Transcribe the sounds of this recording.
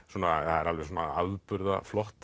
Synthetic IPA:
suːnaθaðɛɾalvɛɾsuːnaaðpʏɾða̰flɔht̪

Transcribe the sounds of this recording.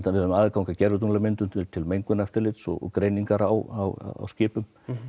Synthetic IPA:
avɪðhœðʏmaːðɪkaːwŋkacɛɾvɪt̪̬unlamɪnt̪ʏt̪ɪt̪ʰɪlmejŋkʏnɛft̪ɪɾlɪt̪sɔ̰ɣɔ̰kɾeːjniŋkaɾawa̰wa̰a̰wscɪːpʏm

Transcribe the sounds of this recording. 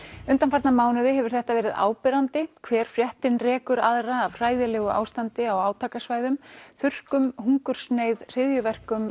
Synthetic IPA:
ʏnt̪anfaɾt̪namaːwnʏðɪɦɛvʏɾ̥θɛht̪avɛːɾɪða̰ːwpɪɾant̪ɪkʰvɛːɾ̥fɾjɛht̪ɪnrɛːkʏɾaðraːvr̥aːjðɪlɛːɣʏʔa̰ːwst̪ant̪ɪawaːwt̪ʰaːkasvaːjðʏmθʏr̥kʏmhuŋkʏɾ̥snejðr̥ɪðjʏvɛr̥kʏm

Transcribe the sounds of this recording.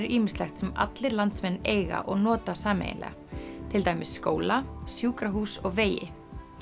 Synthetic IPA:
ɪɾʔiːmɪ̥slɛxt̪sɛma̰t̪lɪɾlant̪smɛnːeːjɣa̰ʔɔɣnɔːt̪asaːmḛj̰nlɛ̰ːɣa̰t̪ʰɪlt̪aːjmɪsskoːwlasjuːkɾaɦuːsɔɣveːjɪ̰

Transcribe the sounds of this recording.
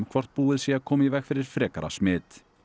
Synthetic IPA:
mkʰvɔr̥t̪̚puːɪðsjɛakʰɔːmivɛxfɪɾɪɾ̥fɾɛːkaɾa̰smɪːt̪

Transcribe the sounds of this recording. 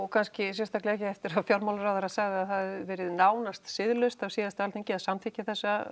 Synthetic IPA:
ɔkʰanscɪs̬ɛst̪aklɛɛhcɪɛft̪ɪɾavfjawɾmawlrawðaɾasaɣðɪaðθaðvɛːɾɪðnaːwnast̪sɪðlʏst̪avsiːðast̪ɪalt̪eɲcɪasamt̪ʰɪcɪθɛsːa

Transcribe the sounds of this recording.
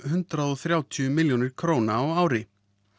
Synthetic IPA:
ɦʏnt̪ɾaðɔθɾjaːwt̪ʰiʏmɪljownɪɾ̥kʰɾoːwnaːwaːwɾɪ

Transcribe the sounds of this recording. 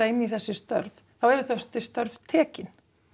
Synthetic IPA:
aɪnːiθɛsːɪst̪œ̰ɾv | θawɛɾʏθœst̪ɪst̪œɾvt̪ʰɛːcɪn

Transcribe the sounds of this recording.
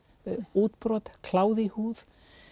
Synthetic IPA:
uːt̪pɾɔt̪kʰlaːwðihuːð

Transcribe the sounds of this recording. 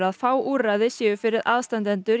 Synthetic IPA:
ɾaðfaːwʔuːɾrajðɪsjɛːɣʏfɪɾɪðaːðst̪ant̪ɛnt̪ʏɾ

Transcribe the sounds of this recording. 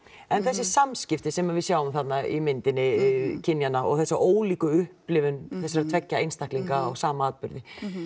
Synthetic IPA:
ɛnθɛsːɪsamscɪft̪ɪsɛmavɪðsjaːwʏmθat̪naḭmɪnt̪ɪnːɪcʰɪnjanaɔ̰ɣθɛsːaʔoːwliːkʏʏhplɪvʏnθɛsːaɾat̪ʰvɛcːaejnst̪ahkliŋkaːɣsaːmaaːðpʏɾðɪ

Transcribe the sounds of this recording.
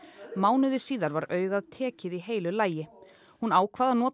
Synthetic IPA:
maːwnʏðɪsiːðaɾvaɾœːɥɣaðt̪ʰɛːcɪðiɦeːjlʏlaːjɪ | hunaːwkʰvaːðanɔːt̪

